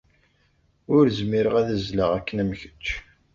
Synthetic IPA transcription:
ʊɾzmiɾəʁæðəzləʁækːənæmçə̥t͡ʃː

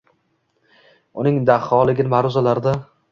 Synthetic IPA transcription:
ʊnɪŋd̪aχɒlˠɪɡʲɪnmaɾʊzalaɾd̪a

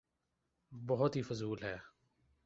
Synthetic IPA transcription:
bɔɦʊt̪ɦiːfʊzuːlɦɛː

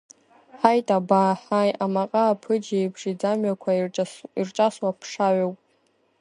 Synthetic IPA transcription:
ħajtʼabaħajʔamaqʼaːpʰɨd͡ʒejbʂid͡zamɥakʷʰairʈ͡ʂʼaswapʰʂaʕʷowpʼ

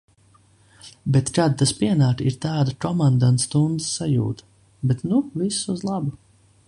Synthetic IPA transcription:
bɛt̪kaːd̪̚t̪aspiɛnaːkiɾt̪aːd̪akɔmand̪ant̪st̪und̪zɨ̥ssajṵːt̪ | bɛt̪nuvisuzlˠabʊ

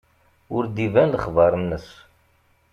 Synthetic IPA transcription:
ʊɾd̪ivænləχvɑɾˤənːəs

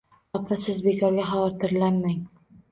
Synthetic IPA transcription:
ɒpʰasɪzbe̞kʰɒɾɡʲaɦɒwɒɾt̪ʰɪɾlanːaŋ

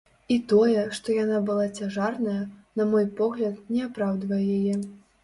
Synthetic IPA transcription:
it̪ɔjɛʂt̪ɔjanabɨlˠat͡sʲaʐarnɐjɐnɐmɔjpɔɣlʲɐt̪̚nʲɛapɾawd̪vɐjɛjajɛ

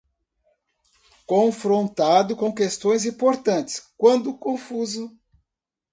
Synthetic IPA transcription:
kõfɾõnt̪ad̪ʊkõw̃kest̪õj̃zĩpoɾt̪ɐ̃nt͡ʃɪ̥skwɐ̃nd̪ʊkõfuzʊ

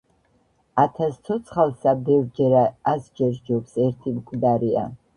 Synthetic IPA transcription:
at̪ʰast̪ʰɔt̪sʰχalˠsabɛvɾd͡ʒɛɾaasd͡ʒɛɾd͡ʒɔksɛɾt̪ʰimkʼd̪aɾia̰

